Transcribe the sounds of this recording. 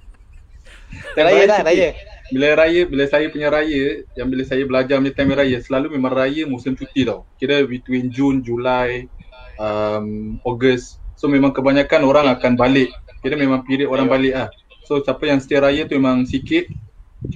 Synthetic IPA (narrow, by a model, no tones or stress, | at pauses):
t̪aa | bilaɾajəbiləsajəpuɲaɾajəjaŋbiləsajəbəlad͡ʒarmɲat̪aməɾajəsəlalumemãŋrajəmusɪmt͡ʃut̪idɔwkiɾəwit̪uwind͡ʒund͡ʒulaj | əmoɡəssomemaŋkəbaɲakanoɾaŋakanbalɪʔkiɾəmemãŋpiɾɪʔoɾaŋbalɪʔlah | sosapəjaŋsə̥t̪iaɾajət̪umemaŋsikɪt̪̚